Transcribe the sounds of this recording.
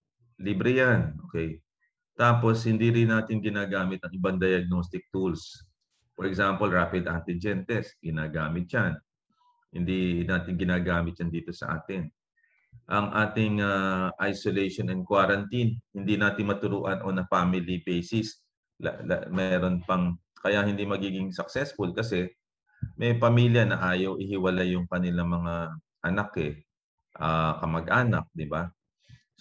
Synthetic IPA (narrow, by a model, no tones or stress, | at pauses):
libɾɪjanʔoːkɛj | t̪aːpo̞shɪnd̪iɾɪnaːt̪ɪnɡɪnaːɡaːmɪt̪ɐŋɪbaŋd̪ɐjɐɡ̚nost̪ɪk̚t̪uls | foɹɛɡsampolɹaːpɪd̪ʔant̪ɪd͡ʒɛnt̪ɛsɡɪnaːɡaːmɪt̪̚t͡ʃan | hɪ̰nd̪inaːt̪ɪnɡɪnaːɡaːmɪt̪̚t͡ʃand̪iːt̪o̞sɐ̰ʔa̰ːt̪ɪn | ʔɐŋʔaːt̪ɪŋaʔajsolɛjʃonɛn̚kwaːɾɐnt̪inhɪnd̪inaːt̪ɪnmɐt̪ʊɾuːʔɐnʔo̞nɐfaːmɪlibejsɪs | mɛːɾo̞npɐŋkɐjahɪnd̪imɐɡiːɡɪŋsɐksɛsfʊlkɐsɛ | mɛjpɐmiːljɐnɐʔaːjɐwʔɪhɪwɐlajʊŋkɐnɪlaŋmɐŋa | ʔɐnakɛ | ʔakɐmɐɡ̚ʔaːnɐ̰k̚d̪ɪba